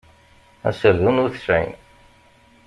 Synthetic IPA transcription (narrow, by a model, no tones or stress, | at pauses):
æ̰səɾðunʊɾθə̥sʕḭn